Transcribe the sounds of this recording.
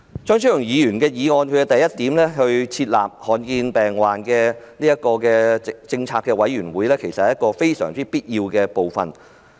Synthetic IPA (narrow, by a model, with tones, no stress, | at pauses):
t͡ʃœː˥ŋs̬ɵ˥jʊ˨˩ŋjiː˨˧jyː˨˩nkɛː˧jiː˨˧ŋɔː˧nkʰɵ˨˧ɛ˧t̪ɐ˨jɐ˥t̪̚iː˨˥mlɛː˥ɦɵ˧ɥt͡sʰiː˧t̚la̰ː˨p̚hɔː˨˧nkiː˧npɛː˨˩ŋwaː˨nkɛː˧niː˥jɐ˥t̚kɔː˧kɛː˧t͡sɪ˧ŋt͡sʰaː˧kːɛː˧wɐ˨˥jyː˨˩nwuː˨˥jlɛː˥kʰe˨˩jsɐ˨hɐ˨˦jɐ˥kːɔː˧fe˥jsœ̰ː˨˩ŋt͡siː˥piː˥t̚jiː˧wkɛː˧po˨wfɐ̰˨n